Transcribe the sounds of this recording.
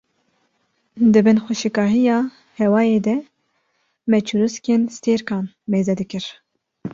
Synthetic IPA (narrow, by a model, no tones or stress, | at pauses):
d̪ɨbɨnxʷɛʃɨkɑːɦijɑː | hɛwɑːjeːd̪ɛ | mɛt͡ʃʰuɾuskeːnst̪eːɾkɑːn | meːzɛd̪ɨkɨɾ